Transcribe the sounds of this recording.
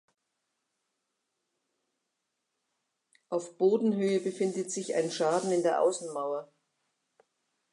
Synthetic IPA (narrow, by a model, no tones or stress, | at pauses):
ʔaʊfb̥oːdn̩ɦøːəbəfɪndətz̥ɪçʔa̰ɪnʃaːdn̩ɪndeːɐʔa̰ʊsn̩maʊɐ